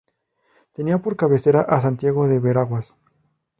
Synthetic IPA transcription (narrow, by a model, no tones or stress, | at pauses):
t̪e̞niapo̞ɾkaβe̞se̞ɾaʔas̬ant̪jaɣo̞ðe̞βeɾaɣwas